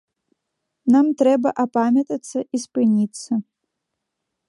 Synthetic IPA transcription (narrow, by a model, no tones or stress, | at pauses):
namt̪ɾɛbɐʔapamʲɐt̪ɐt̪sːɐʔispɨnʲit̪sːɐ